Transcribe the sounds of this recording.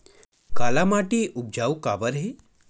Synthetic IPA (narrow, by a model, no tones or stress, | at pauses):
kaːlamaʈiʔʊb̚d͡ʒaːwka̰ːbəɾɦe